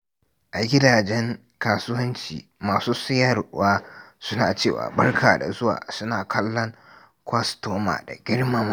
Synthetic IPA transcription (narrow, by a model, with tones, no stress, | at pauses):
ʔa˨ɡʲɪ˦daː˨d͡ʒɛ˦ŋ | kaː˨sʊ˦wɐ˦nt͡ʃḭː˨maː˨suː˦sɪ˦jɐ˦˨ɾwaː˦sʊ˦na̰ː˨t͡ʃeː˦˨wa̰ː˨bɐ˦rkʰaː˨da̰˨zʊ˦wa̰ː˨sʊ˦naː˨kʰɐ˦lːɔ˦ŋ | kʷɐ˦stoː˦ma̰ː˨da̰˨ɡʲɪ˦ɽma˦m